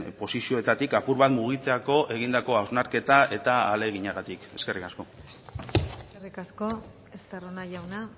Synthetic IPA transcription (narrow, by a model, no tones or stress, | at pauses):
po̞sisio̞e̞t̪at̪ikapuɾβat̪muɣ̞it͡se̞ako̞ʔe̞ɣ̞ind̪ako̞awznaɾke̞t̪ae̞t̪aale̞ɣiɲaɣat̪ike̞ske̞rikasko̞ | serikasko̞ | est̪aronaʝawna